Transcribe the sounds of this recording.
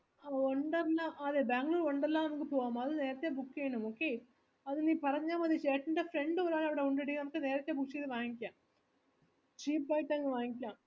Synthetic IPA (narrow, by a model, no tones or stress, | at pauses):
aoɳɖɐlːaːʔɐðebaːŋɡluːɾoɳɖɐlːaːnɐmukːɨpo̞ːɣaːmɐðɨne̞ːɾɐt̪ːebukːejɳumoːkːe | ɐðɨniːpɐrɐɲːaːmɐðit͡ɕeːʈːɐɳɖefɾe̞ɳɖɨʋɐɾaːɳɐʋiɽeuɳɖeɽikːɨnɐmukːɨne̞ːɾɐt̪ːebuksijðɨʋaːŋikʲːaːm | t͡ɕiːplaːjiʈːaŋːiʋaːŋikʲːaːm